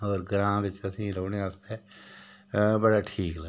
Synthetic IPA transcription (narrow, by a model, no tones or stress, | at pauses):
ɔːɾɡɾãːʋɪt͡ʃəsĩːɾoːɽeəst̪eː | bəɽaːʈʰiːklə